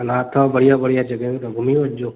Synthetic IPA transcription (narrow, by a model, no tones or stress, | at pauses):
ənat̪ʰɔbəɽijãːbəɽijad͡ʒəɡə̃t̪obʱumiʋod͡ʒoː